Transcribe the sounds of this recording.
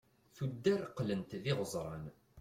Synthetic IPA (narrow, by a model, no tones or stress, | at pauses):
θud̪ːæɾqlənt̪ðɪʁəzˤɾˤɑ̰n